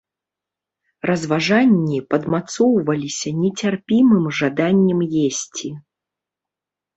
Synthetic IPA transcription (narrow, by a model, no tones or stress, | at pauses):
rɐzvaʐanʲːipɐd̪mat̪sɔwvɐlʲisʲɐnʲɛt͡sʲarpʲimɨmʐad̪anʲːɛmjesʲt͡sʲi